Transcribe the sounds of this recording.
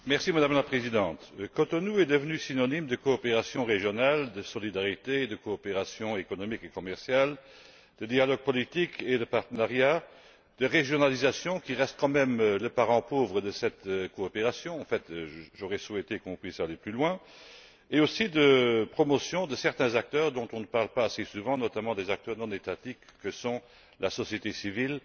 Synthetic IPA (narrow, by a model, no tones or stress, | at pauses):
mɛʁsimad̪amlapχezid̪ɑ̃t̪kot̪onuɛd̪əvənysinɔnimd̪əkoːpeʁasjɔ̃ʁeʒjɔnald̪əsɔlid̪aʁit̪eːd̪əkoːpeʁasjɔ̃ekɔnɔmikekɔmɛʁsjal | d̪̥əd̪ialɔɡ̚pɔlit̪ikʰed̪əpaʁt̪ənaʁja | d̪̥əʁeʒjɔnalizasjɔ̃kiʁɛst̪̚kɑ̃mɛmləpaʁɑ̃povʁəd̪əsɛt̪koːpeʁasjɔ̃ɑ̃fɛt̪ʒoʁɛswɛt̪ekɔ̃pχisaleplylwɛ̃ | eosid̪əpχɔmɔsjɔ̃d̪əsɛʁt̪ɛ̃zak̚t̪œːʁd̪ɔ̃t̪ɔ̃nəpaʁlpaːsesuvɑ̃nɔt̪amɑ̃d̪ezak̚t̪œʁnɔ̃net̪at̪ikːəsɔ̃ | lʔasɔsjet̪esivil